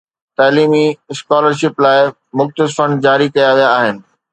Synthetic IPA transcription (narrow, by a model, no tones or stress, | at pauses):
t̪aːliːmiskaːləɾʃɪplaːɪ | mʊxt̪əsɪfəɳd͡ʑaːɾikɐjaʋijaːɦɪnɪ̆